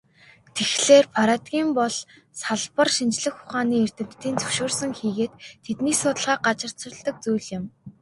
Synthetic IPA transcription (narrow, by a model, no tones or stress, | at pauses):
t̪ʰexɮeːrpʰaɾat̪ɡʲiːmpɔɮ | saɮpə̆rʃint͡ɕɮɘ̆xʊχaːniːer̥t̪ɘ̆nt̪ːiːnt͡sɵ̥ʃʊːrsə̆ŋxiːɣeːt̪ʰːet̪niːsʊːt̪ə̆ɮʁaːɢat͡ɕɪ̆r̥ʊ̆ɮt̪ə̆k̚t͡sujɮjɪ̆m